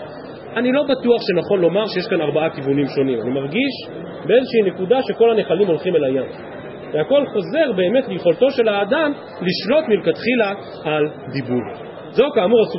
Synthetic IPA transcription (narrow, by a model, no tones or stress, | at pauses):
anilo̞batuaχʃe̞naχo̞nlo̞maʁʃeje̞ʃkanaʁbaakivunimʃo̞nima̰nimaʁɡiʃ | be̞ezeʃeine̞kudaʃe̞ko̞lhane̞χalimo̞lχimelajam | veako̞lχo̞ze̞ʁbe̞ːme̞tlejχo̞lt̪o̞ʃe̞laːd̪am | liʃlo̞t̪milkat̪χila | ald̪ibul | zokaːmuʁasu